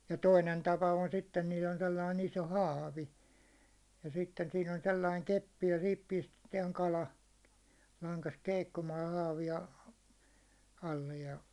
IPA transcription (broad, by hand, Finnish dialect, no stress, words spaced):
jɑ toinen tɑpɑ on sitːen niːl on selːɑin iso hɑːʋi jɑ sitːen siːn on selːɑiŋ kepːi jɑ sihip pistetiɛŋ kɑlɑ lɑŋkɑst keikːumɑːj jɑ hɑːʋiɑ ɑlːej jɑ